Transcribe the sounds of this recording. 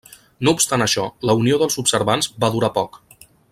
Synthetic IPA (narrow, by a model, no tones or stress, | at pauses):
noupst̪anəʃɔləunioðəlˠzupsəɾβanzbaðuɾapɔk